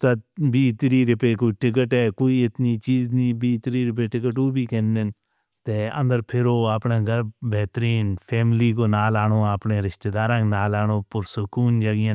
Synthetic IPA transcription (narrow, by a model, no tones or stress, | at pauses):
t̪əbʱiːt̪ɾiːɾɪpeːkoːiʈɪk̬əʈɛːkoːiːɪt̪niːt͡ʃiːznĩːbiːt̪ɪɾiːɾɪp̬eːʈɪk̬əʈuːbʱiːkẽːnɪn | t̪eːə̰̃nd̪əɾpʰɪɾoːaːpɳãːɡəɾbɛːt̪ɾiːnpʰɛːmɪliːkoːnaːlaːnoːaːpɳẽːɾɪʃt̪eːd̪aːɾãːknaːlaːnoːpʊɾsʊkuːnd͡ʒəɡɪjãː